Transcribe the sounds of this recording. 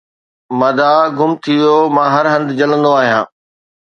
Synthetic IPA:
mɐd̪aɡʱʊmt̪ʰiʋjomãːɦɐɾɦɐ̃nd̪d͡ʑɐlə̃nd̪oaːɦijãː

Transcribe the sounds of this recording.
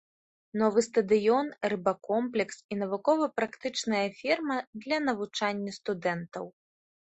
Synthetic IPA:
nɔvɨst̪ɐd̪ɨjɔnrɨbakɔmplʲɛksinɐvukɔvɐpɾakt̪ɨt͡ʂnɐjɐfʲirmɐd̪lʲɐnɐvut͡ʂanʲːɐst̪ud̪ɛnt̪ɐ̰w

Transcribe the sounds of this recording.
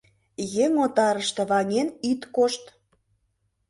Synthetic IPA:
jeŋot̪ɑɾəʃt̪ĕβɑnʲenyt̪koʃt̪

